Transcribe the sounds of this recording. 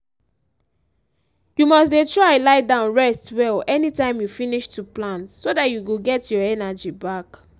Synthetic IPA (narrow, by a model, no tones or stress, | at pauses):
jumɔs̬detɹaɪlaɪdãʊ̃nɹɛstwɛlɛnitãɪ̃mjufiniʃtuplãntsodatjuɡoɡɛtjɔɛnad͡ʒibak